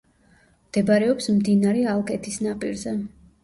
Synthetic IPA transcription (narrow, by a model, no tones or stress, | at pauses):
md̪̥ɛbaɾɛɔpsmd̪inaɾɛalˠkʰʼɛt̪ʰisnapʼiɾzɛ